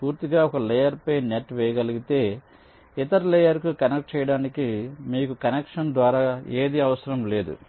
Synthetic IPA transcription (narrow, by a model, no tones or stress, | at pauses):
puːɾt̪iɡaːɔkɐlɛjɐɾpɐjneʈʋɛjɐɡɐliɡit̪e̞ː | it̪ɐɾilɛjɐɾkukɐnek̚ʈ̚t͡ʃɛːjɐɽaːnikimiːkukɐnekʂɐnd̪ʋaːɾaːe̞ːd̪iɐʋɐsɐɾɐmle̞ːd̪ṵ